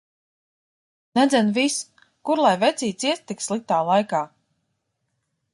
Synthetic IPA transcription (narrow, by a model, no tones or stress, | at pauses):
nɛd̪zʲɛnvis | kuɾlˠajvɛt̪sʲiːt̪siɛst̪ːikslˠik̚t̪aːlˠajkaː